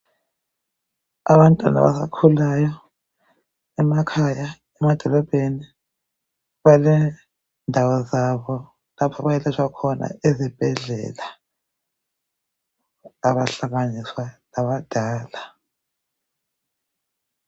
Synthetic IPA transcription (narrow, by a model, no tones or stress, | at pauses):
a̰βantʼwa̰na̰βa̰sa̰kʰulajɔ | ɛmakʰaja | ɛmad̥ʱɔlɔb̥ʱeni | βalɛ | ndʱawɔzaβɔ | lapʰaβajɛlɛt͡ʃʰwakʰɔna̰ezib̥ʱɛɮɛ̰ːla | aβaɬaɣaniswanaβad̥ʱaːla